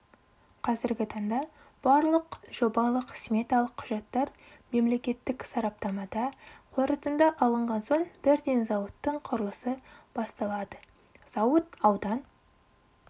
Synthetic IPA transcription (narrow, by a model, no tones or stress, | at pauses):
qʰɑzɪɾɡʲɪt̪ʰɑɴd̪ɑ | b̥ɑɾlˠəqʒ̥o̞bɑlˠəqʰsmʲet̪ɑlˠəqʰːʊʒɑt̪ːɑɾ | me̞mle̞kʲe̞t̪ːɪksɑɾɑp̚t̪ɑmɑd̪ɑqʰoɾət̪ənd̪ɑʔɑlˠəɴʁɑnso̞ɴbɪɾd̪e̞nzɑwət̪ːəɴqʰʊɾəlˠəsəb̥ɑst̪ɑlˠɑd̪ə | z̥ɑwət̪ɑwd̪ɑn